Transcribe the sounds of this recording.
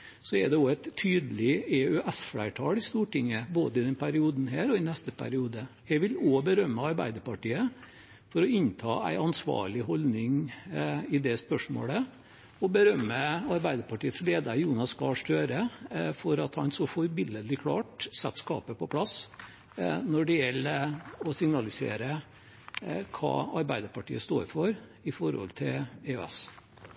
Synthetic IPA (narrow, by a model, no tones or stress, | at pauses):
sɔɛɖ̪ɛoːæɪt̪ʰːyːd̪əlɪɛʉʔɛsfɽæɪʈʰɑːlɪst̪uːʈɪŋːəboːd̪əɪd̪ɛnpʰæɾɪuːd̪n̩ɦæːɾɔɪnɛst̪əpʰæ̰ɾɪuːd̪əjæɪʋɪlobəɾœmːəɑɾbæ̰ɪd̪əɾpɑʈiːə | fɔɾɔɪnt̪ʰɑ̰ːæ̰ɪɑnsʋɑ̰ːɭɪɦɔlnɪŋ | ɪd̪ɛspœʂmo̰ːlə | ɔbəɾœmːəɑɾbæɪd̪əɾpɑʈiːət̪sleːd̪əɾjuːnɑskɑʂt̪øːɾəfɔɾɑt̪hɑnsɔfɔɾbɪlːəlɪkʰlɑ̰ːʈsɛt̪ːskɑ̰ːpəpɔpʰlɑs | nɔɖɪjɛlːəɔsɪŋnɑlɪsḛːɾə | kʰɑ̰ːɑɾbæɪd̪əɾpɑʈḭːəst̪o̰ːɾfɔɾɪfɔɾhɔ̰lt̪ʰɪleø̰ɛ̰s